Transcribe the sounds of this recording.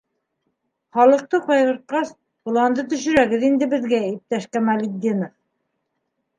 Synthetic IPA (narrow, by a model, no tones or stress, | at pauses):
χɒlˠɤ̆q̚t̪ɤqɑjʁɤ̆ɾt̪̚qɑs | qŭlˠɑnd̪ɤt̪ɵ̆ʃɵ̆ɾæɡɘðind̪ɘbɘ̆ðɡæip̚t̪æʃkæmælʲid̪ʲinɤf